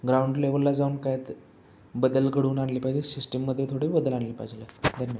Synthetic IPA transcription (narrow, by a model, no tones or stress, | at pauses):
ɡɾauɳɖleʋəlːad͡zaunkajet̪ | bəd̪əlkəɽuːnaɳliːpajd͡ʑesisʈəmːəd̪ʱːjet̪ʰoɽiːbəd̪əlaɳliːpajd͡zlat̪d̪ʱənjəʋa